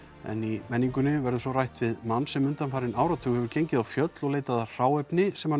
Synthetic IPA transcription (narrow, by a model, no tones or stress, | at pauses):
ɛ̰nimɛnːiŋkʏnːɪvɛɾðʏsɔrajht̪vɪðmanːsɛmʏnt̪anfaːɾɪnaːwɾat̪ʰʏːɣhɛvʏɾcejɲcɪðawfjœt̪lɔɣleːjt̪aðar̥aːwɛpnɪsɛmha